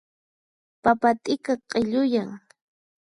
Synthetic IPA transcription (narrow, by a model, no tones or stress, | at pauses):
papat̪ʼɪkaqʼɪʎʊjaŋ